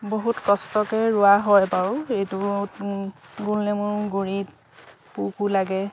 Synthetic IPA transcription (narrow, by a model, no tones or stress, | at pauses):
boɦutkɔstɔkɛɹʊaɦɔjpaɹʊejtu | ɡulnɛmʊɹɡoɹit̚ | pukulaɡɛ